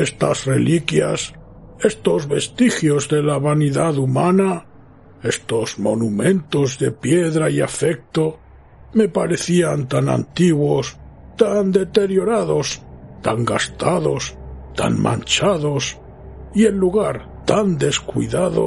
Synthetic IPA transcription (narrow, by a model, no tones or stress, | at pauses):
est̪asre̞̰likjas | e̞st̪o̞zβe̞st̪ixjo̞zðe̞laβaniðaðumana | e̞st̪o̞zmo̰numẽ̞nt̪o̞zðe̞pjeðɾaiafe̞k̚t̪o | me̞paɾe̞θiant̪ana̰nt̪iɣwos | t̪and̪e̞t̪e̞ɾjo̞ɾaðo̞st̪aŋɡa̰st̪aðo̞st̪a̰ŋmã̰nt͡ʃaðo̞s | ie̞lːuɣaɾ | t̪and̪e̞skwḭðaðo̰